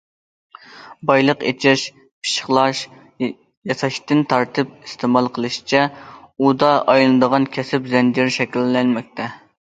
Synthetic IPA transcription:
bɑjlˠəqḛt͡ʃʰɛʃ | pʰi̥ʃə̥χlˠɑʃ | jɑsɑʃt̪ɨnt̪ʰɑɾt̪ʰɨp̚ist̪ʰemɑlˠqʰəlˠɨʃi̥t͡ʃʰɛud̪ɑʔɑjlˠɨnɨd̪əʁɑnkʲʰɛsɪpzɛnd͡ʒiɾʃɛkʲilːɛnmɛk̚ʲt̪ʰɛ

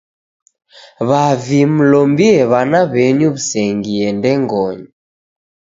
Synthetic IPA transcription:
βavim̩lɔmbiɛβanaβɛɲuβusɛŋɡiɛndɛŋɡɔɲɔ

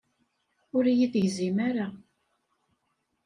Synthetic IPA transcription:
ʊɾjiθʝzimaɾa

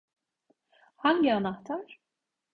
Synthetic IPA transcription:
haɲɟianaht̪ʰaɾ̥

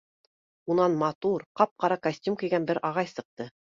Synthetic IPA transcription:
unɑnmɑt̪uɾqɑp̚qɑɾɑkɐsʲt̪ʲjumkɘ̆jɡænbɘɾʔɑʁɑjsɤ̆q̚t̪ɤ

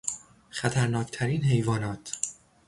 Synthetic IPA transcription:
xæt̪ʰæɾnɒːcʰt̪ʰæɾiːnɦe̞jvɒːnɒːt̪ʰ

